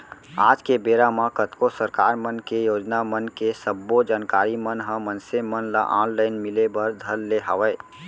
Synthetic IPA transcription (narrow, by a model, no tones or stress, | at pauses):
aːd͡ʒkebeːɾamãkət̪kosəɾkaːɾmənkejoːd͡ʒnamənkesəbːod͡ʒaːnkaːɾimənɦə̃mənsemənla̰ʔãːnlaɪnmɪlebəɾd̪ʱəlːeɦaʋɛ